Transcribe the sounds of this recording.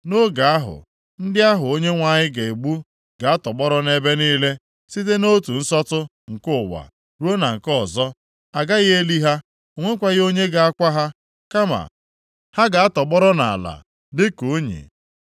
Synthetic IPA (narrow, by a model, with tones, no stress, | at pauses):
no˦ɡa˨a˦ɦʊ̰˨ | n̩˦dɪ˦a˦ɦʊ˨o˦ɲe˦ŋʷa˦˨ɲɪ˦ɡe˨e˨ɡ͡bu˦ | ɡ̥a˨a˦tɔ˨ɡ͡bɔ˦ɾɔ˦ne˦be˦niː˦le˦ | si˦t̬e˦no˦tu˨n̩˦sɔ˦tʊ˦ | ŋ̩˨kʊ˦˨wa̰˨ | ɾu˦o˦na˨ŋ̩˨kɔ˨zɔ˦ | a˨ɡa˦ɣɪ˦e˦li˦ɦa˦ | o˨ŋʷe˦kʷa˦ɣɪ˦o˦ɲe˦ɡa˨a˦kʷa˦ɦa˦ | ka˦ma̰˨ | ha˦ɡa˨a˦tɔ˨ɡ͡bɔ˦ɾɔ˦na˨la̰˨ | dɪ˦ko˨˦ɲḭ˨